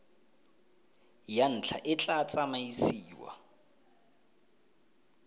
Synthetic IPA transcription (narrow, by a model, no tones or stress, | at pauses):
jan̩t͡ɬʰa̰ʔɪt͡ɬʼat͡sʼamaisiːwa̰